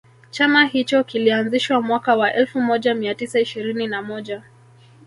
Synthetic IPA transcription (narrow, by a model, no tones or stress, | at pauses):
t͡ʃamahit͡ʃɔkilianziʃwamwakawaʔɛlfumɔʄamiatisaiʃiɾininamɔʄa